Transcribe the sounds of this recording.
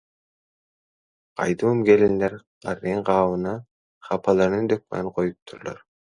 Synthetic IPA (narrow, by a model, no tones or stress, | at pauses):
qʰɑ̰jd̪uːmɡelind̪eɾ | qɑɾiɴqɑːwɯnɑ | χɑpʰɑlˠɑɾnɯnd̪øk̚mæ̰ɴqʰojup̚t̪ʰuɾlo̰ɾ